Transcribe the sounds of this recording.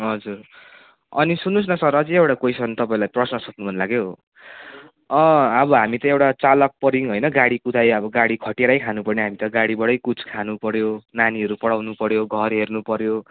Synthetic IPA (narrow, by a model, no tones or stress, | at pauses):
ɦʌd͡zur | ʌ̰nisunːus̬nʌsʌɾʌt͡sʌĩewʈakojsʌnt̪ʌpaĩlajprʌsnʌsʌt̪̚nubʱʌnlaɡjo | ʌʌbʌɦamit̪ʌewʈat͡salʌk̚pʌɾiŋɦojnʌɡaɽikut̪ʰajʌbʌɡaɽikʰʌʈeɾajkʰanupʌrneɦamit̪ʌɡaɽibʌɽʌjkut͡sʰkʰanupʌɾjonaniʌɾupʌɽawnupʌɾjoɡʱʌrɦernupʌɾjo